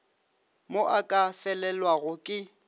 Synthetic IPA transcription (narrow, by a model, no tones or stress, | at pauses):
moʔakʼafɛlɛlwaɣʊkʼɪ